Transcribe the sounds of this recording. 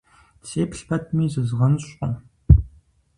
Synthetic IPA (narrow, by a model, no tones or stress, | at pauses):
t͡seːpɬpʰɐt̚ʰmiːzɨzʁɐnɕʷʼən